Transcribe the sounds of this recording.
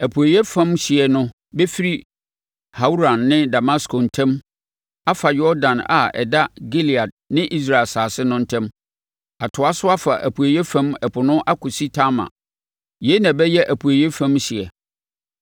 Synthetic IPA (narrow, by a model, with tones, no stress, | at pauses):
æ˨pʰu˨e˨jɛ˦fã˦mɕɪ˨ɛ˨nʊ̃˦ | be˦fi˦ɾi˦ | ha˨˦u˦ɾã˨nːɪ̃˦da˨ma˦skʰo˨n̩˨tʰɛ̃˦m | a˦fa˨jɔ˦ɾdã˨na̰˨ɛ̰˨da˦ɡe˦li˨a˨d̚nɪ̃˦ʔi˦s̬ɾa˦˨lsaː˨sɪ˦nʊ̃˦n̩˦tʰɛ̃˦m | a˨tʰʊ˨a˦sʊ˦a˦fa˨ʔæ̰˨pʰu˨e˨jɛ˦fã˦mɛ˨pʰʊ˨nʊ̃˦ʔa˦kʰʊ˨si˦tʰa˦ma̰˨ | je˨˦nã˨bɛ˦jɛ˦ʔæ˨pʰu˨e˨jɛ˦fã˦mɕɪ˨ɛ˨